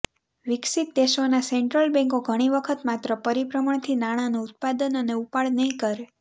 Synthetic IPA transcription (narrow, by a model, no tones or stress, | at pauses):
ʋɪksit̪̚d̪eʃonaseɳʈɾəlbɛ̃ŋkoɡʱəɽ̃iʋəkʰət̪mat̪ɾəpəɾipɾəmaɳ̃t̪ʰinaɽ̃anuʊt̪̚pad̪ənəneupaɭnəɦĩkəɾe